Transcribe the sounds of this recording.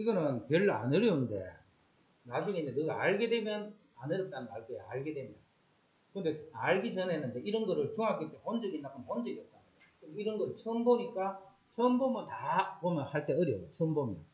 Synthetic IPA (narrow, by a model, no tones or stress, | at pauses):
iɡʌnɯnpjʌɭːa̰nɯɾjʌunde̞̰ | nad͡ʑuŋeindenɯɡaaɭɡe̞demjʌn | anɯɾʌt͈̚anɯnaɭkoeaɭɡe̞dwemjʌn | kɯnde̞aɭɡid͡ʑʌnenɯnde̞iɾʌnɡʌɾɯɭt͡ɕoŋɦaɡit͈epond͡ʑʌɡinːakɯnpond͡ʑʌɡijʌt̚t͈a | kɯniɾʌnɡʌɾɯɭsʰʌnboɲik͈a | sʰʌmbomɯntapomjʌnhaɭt͈e̞ʌɾjʌjosʰʌmbomia